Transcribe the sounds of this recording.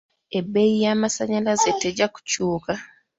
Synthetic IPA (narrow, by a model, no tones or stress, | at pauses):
e̞bːe̞jijaːmasaɲalazeteɟaku̥cuːka